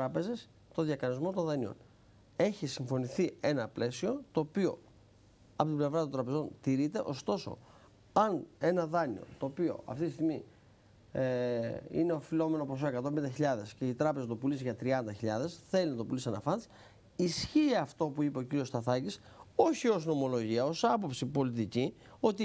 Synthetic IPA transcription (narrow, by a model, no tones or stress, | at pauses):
ɾɐpe̞ze̞s | t̪o̞ðjɐkɐnizmo̞t̪o̞nðɐnio̞̰n | e̞çisiɱfo̞niθie̞nɐple̞sio̞t̪o̞ːpio̞̰ | ɐpo̞t̪ible̞vɾɐt̪ont̪ɾɐpe̞zo̞nt̪iɾit̪e̞̰ʔo̞st̪o̞so̞̰ | ɐne̞nɐðɐnio̞̰t̪o̞ːpio̞̰ɐ̰ft̪it̪ist̪iɣmi | ḭne̞ofilo̞me̞nopo̞s̬o̞ekɐt̪o̞mbend̪ɐçiʎɐðesce̞it̪ɾɐpe̞zɐt̪o̞pulisʝɐt̪ɾiɐnd̪ɐçiʎɐðe̞sθe̞linɐt̪o̞pulisiɐnɐfɐn | isçiɐft̪o̞puipe̞ociɾio̞st̪ɐθɐciso̞çio̞zno̞mo̞lo̞ʝiɐo̞sɐpo̞psipo̞lit̪ici | o̞t̪i